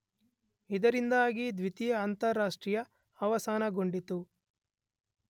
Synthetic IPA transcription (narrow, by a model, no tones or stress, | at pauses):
id̪ɐɾind̪aːɡid̪ʋit̪ijɐant̪ɐɾːaːʂʈɾiːjɐː | ʋɐsaːnɐɡoɳɖit̪u